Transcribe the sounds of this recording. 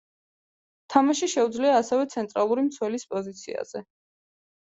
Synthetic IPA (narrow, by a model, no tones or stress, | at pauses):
t̪ʰamaʃiʃɛud̪zliaːsɛvɛt̪sʰɛnt̪ʼɾalˠuɾimt̪sʰwɛlispʼɔzit̪sʰḭa̰z̥ɛ